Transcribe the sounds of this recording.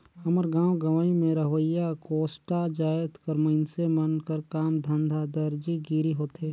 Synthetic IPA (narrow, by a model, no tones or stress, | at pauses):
əməɾɡãːwɡɐʋaːimẽɾəɦʋəjakoːsʈad͡ʒaːət̪kəɾmənsemənkəɾkaːmd̪ʱə̃nd̪ʱad̪əɾd͡ʒiɡiːɾiɦoːt̪eː